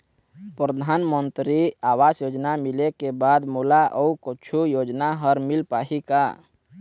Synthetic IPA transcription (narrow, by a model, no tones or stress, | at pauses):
pɾəd̪ʱanmənt̪ɾiaːwasjoːd͡ʒnamilekebad̪mulaʔəukət͡ʃʰujoːd͡ʒnaɦəɾmɪlpaːɦika̰